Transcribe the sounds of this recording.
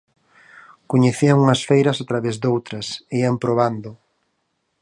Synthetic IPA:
koɲeθiɐŋuŋɐsfejɾɐsat̪ɾaβezd̪owt̪ɾɐseiampɾoβand̪ʊ

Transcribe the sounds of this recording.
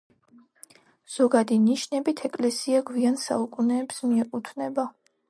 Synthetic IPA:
z̥ɔɡad̪iniʃnɛbit̪ʰɛkʼlɛsiaɡwiansa̰ukʼunɛːpsmiɛqʼut̪ʰvnɛba

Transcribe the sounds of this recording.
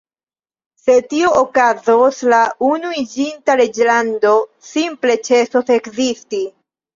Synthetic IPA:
se̞tioʔokazoslaunuid͡ʒintaɾe̞d͡ʒlando̞simple̞t͡ʃe̞sose̞kzisti

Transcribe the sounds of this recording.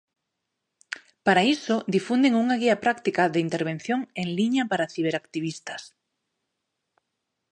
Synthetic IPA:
paɾaisod̪ifund̪eŋuŋaɣiapɾakt̪ikaðeint̪eɾβ̞en̟θjoŋeŋliɲapaɾaθiβ̞eɾakt̪iβist̪as

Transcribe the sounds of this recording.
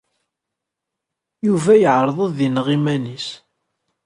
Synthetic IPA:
juvæjəʕɾˤðˤəððinʁimænis

